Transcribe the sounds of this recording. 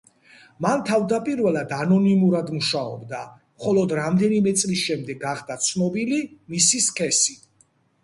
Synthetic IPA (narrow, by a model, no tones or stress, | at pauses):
mant̪ʰavd̪apʼiɾvɛlˠad̪anɔnimuɾad̪muʃaɔ̰bd̪a | mχɔlˠɔd̪ɾamd̪ɛnimɛt̪sʼlisʃɛmd̪ɛɡːaχd̪at̪sʰnɔbilimisiskʰʼɛsi